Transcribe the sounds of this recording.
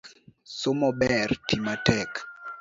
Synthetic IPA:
ksomɔbɛrtimatɛk

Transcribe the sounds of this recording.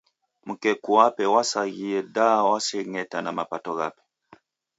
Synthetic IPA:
mukɛkuapɛwasaɣiɛdawasɛŋɛtanamapatɔɣa̰pɛ̥

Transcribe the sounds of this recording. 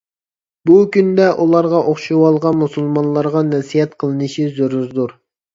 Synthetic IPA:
bukʲynd̪ɛʔulˠɑɾʁɑʔoχʃuwɑlˠʁɑnmusulˠmɑnlˠːɑɾʁɑnɛsijɛt̪qʰəlˠɨnɨʃizøɾuzd̪uɾ

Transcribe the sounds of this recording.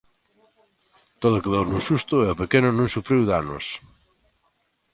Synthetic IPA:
t̪oðokeðownusust̪ʊeopekenʊnũŋsufɾiwðano̰s

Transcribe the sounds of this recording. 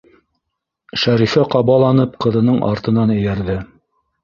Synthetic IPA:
ʃæɾifæqɑβɑlˠɑnɤp̚qɤ̆ðɤ̆nɤɴʔɑ̰ɾt̪ɤ̆nɑnɘ̆jæɾðɘ

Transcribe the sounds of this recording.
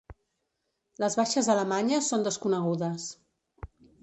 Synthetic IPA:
ləzβaʃəzðələmaɲəsond̪əskunəɣuðəs

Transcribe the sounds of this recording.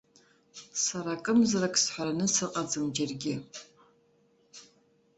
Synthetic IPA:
saɾakʼɨmzɨrakʼsħʷaɾanɨsɨqʼɐd͡zɨmd͡ʒarɡʲɪ

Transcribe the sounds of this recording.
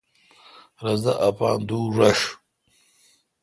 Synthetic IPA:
ɾɐzd̪a̰ʔapa̰ːnd̪uːʐɐʂ

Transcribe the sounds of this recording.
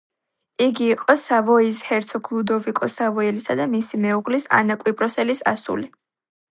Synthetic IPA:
iɡiːqʼɔsavɔishɛɾt̪sʰɔɡlˠud̪ɔvikʼɔsavɔilisad̪amisimɛuʁlisa̰nakʼwipʼɾɔsɛlisa̰sṵli

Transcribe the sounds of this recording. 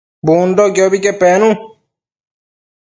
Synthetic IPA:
buːnd̪oːɡjoːbiːkepɛːnũː

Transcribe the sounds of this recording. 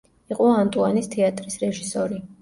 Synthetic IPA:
iqʼɔant̪ʼuanist̪ʰɛat̪ʼɾisɾɛʒisɔɾi

